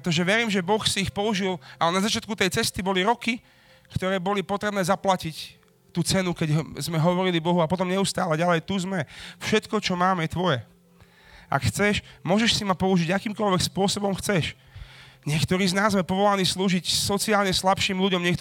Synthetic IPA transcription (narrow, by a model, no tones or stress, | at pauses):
t̪ɔʒɛʋɛɾiːmʒɛbɔxsiːxpɔuʒilʔalɛnazat͡ʃɪat̪̚kut̪ɛjt͡sɛst̪ibɔliɾɔki | kt̪ɔɾɛːbɔlipɔt̪ɾɛbnɛːzaplacic | t̪uːt͡sɛnukɛɟzmɛɦɔʋɔɾilibɔɦuapɔt̪ɔmɲɛust̪aːlɛɟalɛjt̪uzmɛfʃɛt̪kɔt͡ʃɔmaːmjɛt̪ʋɔjɛ | ʔa̰kxt͡sɛʃmʊɔʒɛʃsimapɔuʒiɟakiːmkɔlʋɛkspʊɔsɔbɔmxt͡sɛʃ | ɲɪɛkt̪ɔɾiːznaːzːmɛpɔʋɔlaniːsluːʒicsɔt͡siaːlɲɛslapʃiːmʎuɟɔmɲɪɛkt̪